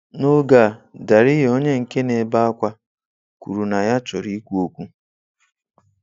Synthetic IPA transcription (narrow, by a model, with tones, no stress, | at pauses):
nʊ˦ɡa˨da˨ɾi˦ɦo˦ɲe˦ŋ̩˨ke˦ne˨˦ba˦a˦kʷa˦ | ku˨ɾu˨na˨ja˦t͡ʃɔ˨ɾi˦kʷu˦o˦kʷu˦